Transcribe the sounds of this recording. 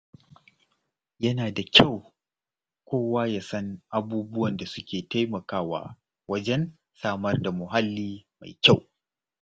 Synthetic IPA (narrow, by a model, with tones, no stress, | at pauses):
jɐ˦naː˨da˨kʲʰa˦˨w | kʷoː˦waː˦jaː˨sɐ˦ŋʔa˦buː˦bʊ˦wɐ˨nda˨sʊ˦kʲeː˨ta˦jmɐ˨kaː˦wa̰ː˦ | wɐ˦d͡ʒɛ˦n | saː˦mɐ˦rda˨mʊ˨ɦa˦lːiː˦ma̰˨jkʲa˦˨w